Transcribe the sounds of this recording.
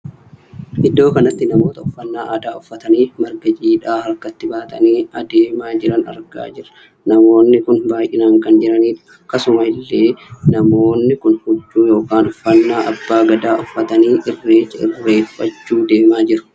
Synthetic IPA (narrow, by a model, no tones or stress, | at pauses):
ʔɪd̪ːo̞ːkɐnɐt̪ːɪnɐmo̞ːt̪ɐʊfːɐnːaːʔaːd̪aːʊfːɐt̪ɐniːmɐɾɡɐd͡ʒiːᶑaːhɐɾkːɐt̪ːɪbaːt̪ʼɐ̰niːɐd̪eːmaːd͡ʒɪɾɐnɐ̰ɾɡa̰ːd͡ʒɪɾɐ | nɐmo̞ːnːɪkʊnbaːjʔɪnaːŋkɐnd͡ʒɪɾɐniːᶑ̪ʊ̥ | kɐsʊmɐɪlːeːnɐmo̞ːnːɪkʊnhʊd͡ʒːuːjo̞ːkaːnʊfːɐnːaːʔɐbːaːɡɐd̪aːʔʊfːɐt̪ɐniːʔɪrːeːt͡ʃːɐɪ̰ɾːe̞ːfːɐ̰t͡ʃːuːd̪e̞ːmaːd͡ʒɪɾʊ̥